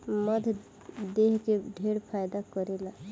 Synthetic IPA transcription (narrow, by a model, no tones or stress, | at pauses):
məd̪ʱ | d̪eɦkeɖʱeɾpʰajd̪akəɾela